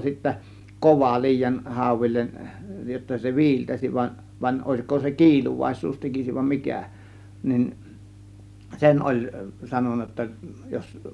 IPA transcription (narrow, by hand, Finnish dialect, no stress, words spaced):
sitːæ koʋɑ liːjɑn hɑˑo̝ʋilʲːen jotːɑ se ʋi̞iltæsiʋ ʋɑnʲ ʋɑnʲ oˑe̝sko se kiːluʋɑˑisˑuːs tekisiʋ ʋɑm mikæˑ nin sen ʔolʲ sɑnonːɑ jotːɑ jos